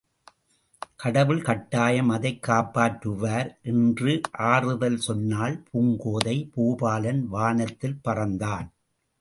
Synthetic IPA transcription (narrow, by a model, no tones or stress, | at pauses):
kɐɽɐʋɯɭkɐʈːaːjɐmɐðɐɪkːaːpːaːʈɾɯʋaːɾʔɛndrɯʔaːrɯðɐlsɔnːaːlpʰuːŋɡoːðɐɪpuːbaːlɐnʋaːnɐt̪ːɪlpɐrɐnd̪aːn